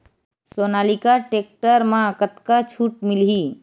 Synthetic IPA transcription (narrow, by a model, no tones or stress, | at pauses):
soːnaːlikaʈek̚ʈəɾmãkət̪kat͡ʃʰuʈmɪlɦi